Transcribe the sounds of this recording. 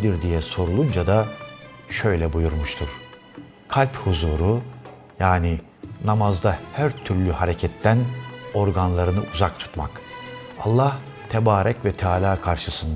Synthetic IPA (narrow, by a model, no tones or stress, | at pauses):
d̪iɾd̪ijɛso̞ɾulˠund͡ʒad̪a | ʃø̞jlʲɛbujuɾmuʃt̪ʰuɾ̥ | kʰalʲphuzuːɾu | jaːni | namazd̪ahæɾt̪ʰyɾlʲyhaɾɛcʰɛt̪ʰːæno̞ɾɡanlˠaɾɯnɯʔuzak̚t̪ʰu̥t̪maka̰lˠːah | t̪ʰɛbaːɾʔɛcvɛt̪ʰaːlʲaːkʰaɾʃɯsɯnd̪